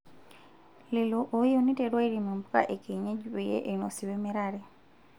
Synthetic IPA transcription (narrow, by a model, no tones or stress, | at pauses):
liloʔojoniteɾwailimumbuka̰ʔekeɲeɟiβijḛʔeinosiβemiɾaɾe